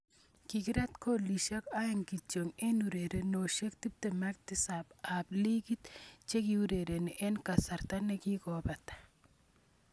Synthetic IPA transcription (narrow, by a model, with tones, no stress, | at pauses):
ki˨ki˦ɾa˦t̪ko˦li˨ʃa˦ka˦je˦ŋki˨t͡ʃo˨ŋe˦nu˨ɾe˨ɾe˨no˨ʃe˦k̚t̪i˦p̚t̪e˨ma˦k̚t̪i˦sa˨ba˨bli˦ɡi˦t̪t͡ʃe˦ki˧u˦ɾe˨ɾe˨ne˨ʔe˦nka˨sa˨ɾt̪a˦ne˧ki˦ɡo˨ba˨t̪